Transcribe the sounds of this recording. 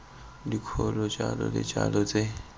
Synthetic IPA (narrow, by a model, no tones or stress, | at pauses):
dikʰolɔt͡ʃʼalɔlɛt͡ʃʼalɔt͡sʼe